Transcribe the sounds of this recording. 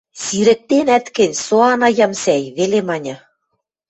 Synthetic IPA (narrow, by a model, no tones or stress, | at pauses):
siɾɘ̆k̚t̪enæt̪kɘ̆nʲsoɑnɑjɑmsæjβelemɑnʲɤ̆